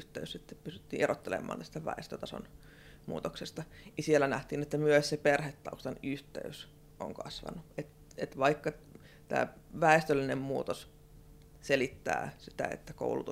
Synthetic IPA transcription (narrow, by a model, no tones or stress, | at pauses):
ht̪eyssit̪ːeppysy̥t̪ːḭːʔerot̪ːelḛmːˑɑ̰ːnt̪æst̪æʋæ̰est̪øt̪ɑso̰n | mṵːt̪oksest̪ɑjisielːænæht̪iːnet̪ːæmyøsseperhet̪ːɑust̪ɑnyht̪ḛys | ʔo̰ŋkɑ̰sʋɑ̰nuet̪ | et̪ʋɑikːɑ | t̪æ̰ː | ʋæest̪ølːinemmuːt̪os | selit̪ːæ̰ːsit̪æ̰ḛt̪ːæko̰ulut̪u